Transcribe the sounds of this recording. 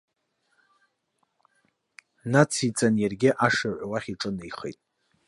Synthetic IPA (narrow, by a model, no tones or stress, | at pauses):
nat͡sʰit͡sʼanjarɡʲɪʔaʂaʕʷawaχʲiʈ͡ʂʼɨnejχḛjtʼ